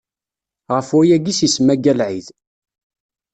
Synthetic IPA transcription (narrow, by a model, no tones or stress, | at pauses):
ʁəfʊjæɡisismæɡælʕið